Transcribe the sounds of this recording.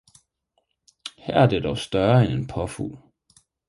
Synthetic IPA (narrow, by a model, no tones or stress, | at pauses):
hæɐ̰æɐd̥ed̥ɒʊsd̥ɶɐenenpʰɒ̽fṵːl